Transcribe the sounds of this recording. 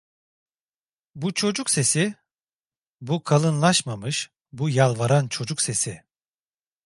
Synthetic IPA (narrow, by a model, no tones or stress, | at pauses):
but͡ʃʰo̞d͡ʒukse̞si | bukʰalˠɯnlˠaʃmamɯʃ | bujalˠvaɾant͡ʃʰo̞d͡ʒukse̞sɪ